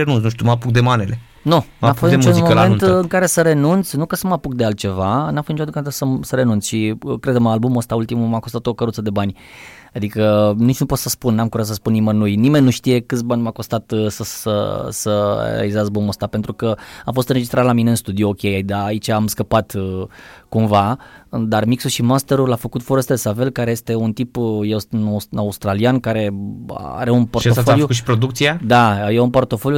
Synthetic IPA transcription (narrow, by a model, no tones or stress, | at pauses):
enunts̬nuʃt̪umapukd̪emanele | nonafosit͡ʃunmoment̪ɨŋkaɾe̞səɾe̞nunt̪snukəsəmapuk̚d̪ealt̪̚t͡ʃe̞vanamfot̪nit͡ʃat̪ɨŋkmet̪səsəɾe̞nunsʃikɾed̪məalbumost̪ault̪imumakost̪at̪o̞kəɾut̪səd̪ebanʲ | ad̪ikənit͡ʃnupo̞t̪səspunːamkuɾat̪səspunimənujnime̞nʲːuʃt̪ije̞kɨt̪sʲbanʲmakost̪at̪səsə̰səḛḛa̰lizazboməst̪ape̞nt̪ɾukəafo̞st̪ɨnɾred͡ʒist̪ɾat̪lamine̞ɨnst̪ud̪iookʲejd̪aːit͡ʃaːmskəpat̪ | kumvad̪armiksuʃimast̪e̞ɾulafəkut̪foɾost̪elesave̞lkaɾeje̞st̪e̞unt̪ipjewsnasaust̪ɾaliankaɾe̞̰a̰ɾe̞unpo̞rt̪ofoljukuʃi̥pɾod̪ukt̪siad̪ajeunpo̞rt̪o̞fo̞lju